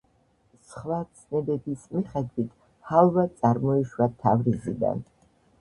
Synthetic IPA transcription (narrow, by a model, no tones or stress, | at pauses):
sχlat̪sʰnɛd̪ɛb̪ismiχɛd̪wit̪ʰ | halˠvat̪sʼaɾmɔiʃwat̪ʰa̰vɾizḭd̪a̰n